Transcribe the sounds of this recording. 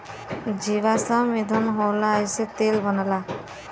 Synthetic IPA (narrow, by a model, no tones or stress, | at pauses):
d͡ʒiʋasə̃ʋid̪ʱənɦolajset̪elbənəla